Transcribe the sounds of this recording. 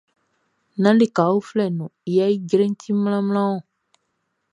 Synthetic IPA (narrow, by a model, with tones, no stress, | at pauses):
nã˦le˨ka˨u˦flɛ˨nũ˨i˨ja˦i˦ɟɾẽ˦n˦tĩ˦m˦lã˦m˦lã˦wɔ̃˦˨